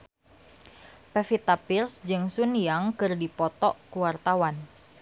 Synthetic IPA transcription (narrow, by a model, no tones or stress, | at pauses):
pɛfit̪apirsd͡ʒɨŋsunjaŋkɨrdipɔt̪ɔʔkuwart̪awan